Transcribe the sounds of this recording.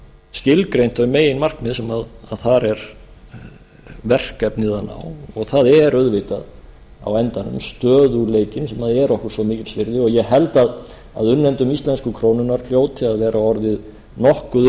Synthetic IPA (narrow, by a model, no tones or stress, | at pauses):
scɪlkɾejn̥t̪ɔʏmeːjɪnmar̥kmɪðsɛmaðaðθaɾɛɾ | vɛr̥kapniːðana̰wɔɣθaðɛɾœðvɪt̪að | a̰wɛnt̪anʏ̰mst̪œːðuleːjcɪnsɛmaðɛɾɔhkʏɾ̥svɔmiːcɪlsvɪɾðɪɔɣjɛɦɛlt̪að | aðʏnːɛnt̪ʏmist̪lɛnskʏkʰɾownʏnaɾ̥l̥joːwt̪ʰɪaðvɛːɾʔaɔɾðɪð | nɔhkʏð